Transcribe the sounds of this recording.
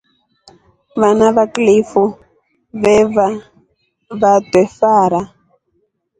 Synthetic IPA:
βanaβaklifu | βɛβa | βatwɛfaːɾa

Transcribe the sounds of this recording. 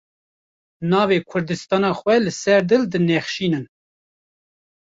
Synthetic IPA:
nɑːveːkʰʊɾd̪ɨst̪ɑːnɑːxwɛlɨsɛɾd̪ɨld̪ɨnexʃiːnɨn

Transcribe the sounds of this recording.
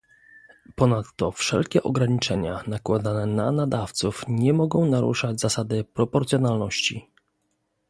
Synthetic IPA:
pɔnat̪ːɔfʂɛ̰lkʲɛʔɔɡɾaɲit͡ʂɛɲanakwad̪anɛnanad̪aft̪sufɲɛmɔɡɔ̃w̃naɾṵʂad͡ʑzasad̪ɘpɾɔpɔɾt̪sʲjɔnalnɔɕt͡ɕḭ

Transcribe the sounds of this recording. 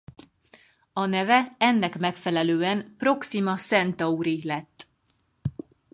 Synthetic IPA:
ɒnɛvɛɛnːɛkmɛkfɛlɛløːɛnpro̞ksimɒsɛnt̪ɒuɾilɛt̪ː

